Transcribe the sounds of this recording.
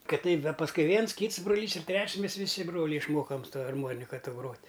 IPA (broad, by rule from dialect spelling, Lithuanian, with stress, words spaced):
ˈkɐt ˈtʲɛɪp ˈdɐ pɐsˈkʊɪ ˈʋʲiɛns ˈkʲiːts broːˈlʲiːs ɪr ˈtʲrʲɛt͡ʃʲsʲ ˈmʲɛs ʋʲɪˈsʲɪ ˈbroːlʲɛɪ ɪʃˈmoːkɐm sʊ ˈtɐ ɐrˈmoːnʲɪkɐ ˈtoː ˈɡroːtʲ